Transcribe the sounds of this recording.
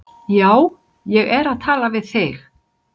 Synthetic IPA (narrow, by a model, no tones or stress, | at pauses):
jaːw | jɛɣɛɾaðt̪ʰaːlavɪðθɪx